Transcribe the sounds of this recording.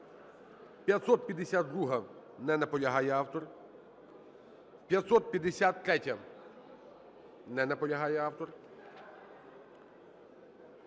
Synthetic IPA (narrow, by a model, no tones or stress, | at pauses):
pʲjɐt̪sɔt̪̚pʲjɐd̪ːesʲat̪̚d̪ɾuɦɐ | nɛnɐpɔlʲɐɦɑjɛɑwt̪ɔr | wpʲjɐt̪sɔt̪̚pʲjɐd̪esʲat̪ːɾɛtʲɐ | nɛnɐpɔlʲɐɦɑjɛɑwt̪ɔr